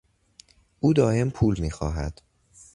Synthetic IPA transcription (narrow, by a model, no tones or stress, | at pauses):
ʔuːd̪ɒːʔe̞mpʰuːlmiːxɒːɦæ̰d̪̥